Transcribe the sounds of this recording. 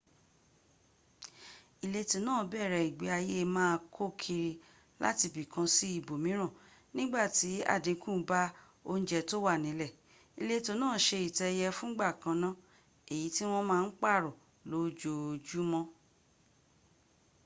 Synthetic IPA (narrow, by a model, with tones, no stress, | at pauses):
i˨le˧to˧nãː˦˨˦bɛ˦˨ɾɛ˧˨i˨ɡ͡be˨˦a˧je˦˧mãː˦˧kʰo˦kʰi˧ɾi˧ | la̰˦ti˧bi˨kã˧si˦i˦˨bo˨mĩ˨˦ɾ̃ã˦˨ | nĩ˦ɡ͡ba˦˨ti˨˦a̰˦˨dĩ˨˧˦kũ˦˨˦ba˦ | o˧n̩˦d͡ʒɛ˧˨to˦wa˦˨nĩ˨˦lɛ˦˨ | i˨le˧to˧nãː˦˨ʃe˧i˨tɛ˧jɛ˧fũ˦ɡ͡ba˦˨kã˧nã˦ | e˨ji˨˦ti˦w̃ɔ̃˦mãː˦˧n̩˦k͡pa˦˨ɾo˨ | lo˨˦d͡ʒo˧˨d͡ʒu˦mɔ̃˦